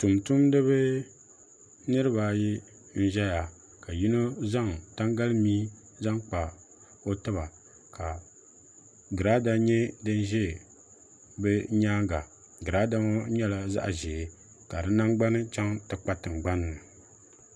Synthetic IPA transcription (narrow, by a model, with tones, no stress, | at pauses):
tu˨mtu˦mdɨ˦βɨ˦ | nɨ˦ɾɨ˦ba˨ji˦ | n̩˦ʒɛ˦ja˨ | ka˨ji˦no˦za˦˨ŋta˦ŋɡa˦lɨ˦miː˦ | za˦ŋk͡pa˨ | o˦tɨ˦ba˨ | ka˨ | ɡɨ˨ɾa˦da˦ɲɛ˦dɨ˦n˦ʒɛ˦˨ | bɛ˦ɲaː˦ɡa˨ | ɡɨ˨ɾa˦da˦ma˦ɲɛ˦la˨za̰˦ʔʒeː˨ | ka˨dɨ˦na˦ŋɡ͡ba˦nɨ˦t͡ʃa˦ŋtɨ˨k͡pa˦tɨ˨ŋɡ͡ba˦nː˦ɨ˨